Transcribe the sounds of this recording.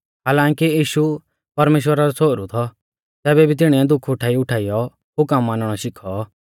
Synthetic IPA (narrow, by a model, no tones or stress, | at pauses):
ɦaːlãːŋkijiːʃu | pɐɾmeːʃwəɾaɾɔt͡sʰoːɾut̪ʰɔ | t̪ɛːbɛbʱit̪ɪɽ̃iɛd̪ʊkʰʊʈʰaːiʊʈʰaːɪjɔ | ɦʊkəmːãːnəɽ̃ɔʃɪkʰɔ